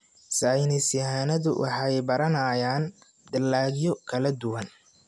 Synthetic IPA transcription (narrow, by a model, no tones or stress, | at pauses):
sɐjnɪsɪaːnɐðʊ̰wʔɑ̰ħɑjbɐɾɐnɐːjaːn | d̪ɐlaːɡjɔkʰɐlɐd̪ʊwɐn